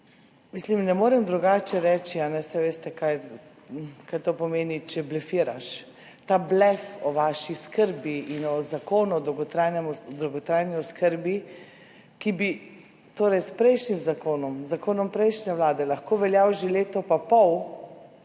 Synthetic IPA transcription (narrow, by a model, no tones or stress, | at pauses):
mislimnɛmoːɾɛmd̪ɾuɡaːt͡ʃɛɾɛt͡ʃianɛsɛʋeːst̪ɛkaj | kajt̪oːpɔmeːnit͡ʃɛblɛfiːɾaʃ | t̪ablɛfɔʋaʃiskəɾbiinɔzakoːnud̪ɔɡɔt̪ɾaːjnɛmɔd̪ɾowɡɔt̪ɾaːjniɔskəɾbi | kibi | t̪oːɾɛjspɾɛjʃnimzakoːnɔmzakoːnɔmpɾɛjʃnɛʋlaːd̪ɛlaxkoːʋɛljawʒeleːt̪ɔpapɔw